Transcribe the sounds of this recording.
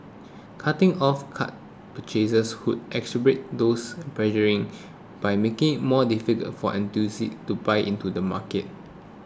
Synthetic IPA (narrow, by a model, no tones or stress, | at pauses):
kʰatɪ̃ŋɔfkʰa̰t̚ | pət͡ʃezəshud̚ʔɛksəbɹet̚dospɹɛʒəɹĩŋ | b̥ajmekɪ̃ŋɪt̚mɔdifikə̰tfɔ̰ʔɛ̃ntusḭtubajʔĩntudəma̰kət̚